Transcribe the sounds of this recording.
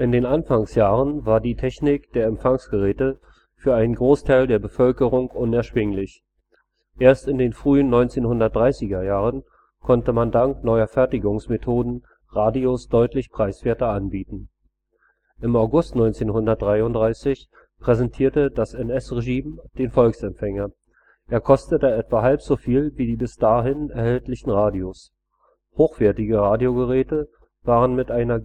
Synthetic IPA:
ʔɪndeːnʔanfaŋsjaːʁənvaːɐdiːtʰɛçnɪkd̥eːɐɛmfaŋsɡ̥əʁɛːtə | fyːɐʔaɪnənɡʁoːstʰaɪldeːɐbəfœlkəʁʊŋʔʊnɛɐʃv̥ɪŋlɪç | ʔeːɐstɪndeːnfʁ̥yːənːɔʏnt͡seːnhʊndɐt̚d̥ʁaɪsɪɡɐjaːʁən | kʰɔntəmandaŋknɔʏɐfɛɐtɪɡʊŋsmetʰoːdn̩ | ʁaːdiosd̥ɔʏtlɪçpʁ̥aɪsv̥eːɐtɐʔanbiːtn̩ | ʔɪmaʊɡʊstnɔʏnt͡seːnhʊndɐt̚d̥ʁaɪʊntd̥ʁaɪsɪç | pʁ̥ɛzɛntʰiːɐtədasɛnɛsʁeʒiːmd̥eːnfɔlksɛmfɛŋɐ | ʔʔeːɐkʰɔstətəɛtv̥aɦalpz̥oːfiːlviːdiːbɪsd̥aːɦɪnɛɐhɛltlɪçn̩ʁaːdios | hoːxv̥ɛɐtɪɡəʁaːdjoɡəʁɛːtə | v̥aːʁənmɪtʔaɪnɐ

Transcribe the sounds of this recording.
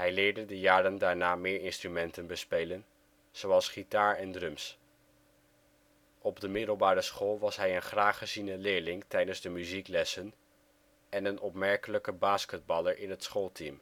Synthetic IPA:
ɦɛjlɪːɹdədəjaːɾəndaːɹnaːmɪːɹɪnstrymɛntənbəspejlən | z̥owɑlˠsχitaːɹɛndrɵms | ɔbdəmɪdəl̩ˠbaːɾəsχoːlˠʋɑsɦɛjənχraːχəzinəlɪːɹlɪŋtɛjdənzdəmyziklɛsən | ɛnənɔpmɛɹkələkəbaːskəd̚bɑlˠəɹʔɪnɦətsχoːlˠtim

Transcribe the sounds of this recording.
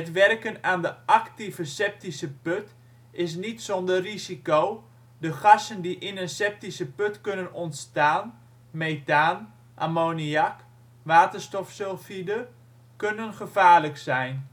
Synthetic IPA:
hətʋɛrkənaːndəʔaktivəsɛp̚tisəpøt | ɪs̬nitsɔndərisikow | dəχɑsəndiʔɪnənsɛp̚tisəpøtkønənɔntstaːn | mejtaːn | ʔa̰moːniak | ʋaːtərstɔfsolˠfidə | kønənχəvaːrləksɛjn

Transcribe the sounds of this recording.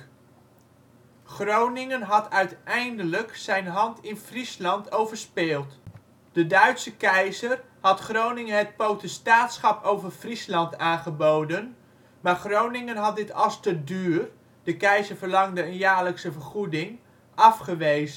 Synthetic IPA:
χrownɪŋənɦɑtœɥtɛjndələksɛjnɦɑntʰɪnfrislɑntʰowvəɹspɪːlˠt | d̥ədœɥtsəkɛjzər | hɑtχrownɪŋəɦət̚powtəstaːtsχɑpowvərfrislɑntaːnχəbowdən | maːɹχrownɪŋənɦɑt̚dɪtɑstədyːr | d̥əkɛjzəɹvərlɑŋdəənjaːɹləksəvəɹχudɪŋ | ʔɑfχəʋejzə

